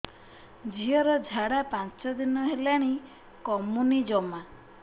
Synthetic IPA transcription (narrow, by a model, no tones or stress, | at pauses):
d͡ʒiɔɾɔd͡ʒʱaɽapant͡ʃɔd̪inɔɦelaɽ̃i | kɔmunid͡ʒɔma